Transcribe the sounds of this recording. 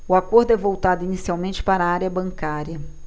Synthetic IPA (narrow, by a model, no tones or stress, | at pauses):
ʊakoɾd̪ʊɛvowt̪ad̪ʊinisiawmẽnt͡ʃɪ̥paɾɐaɾjɐbɐ̃ŋkaɾjɐ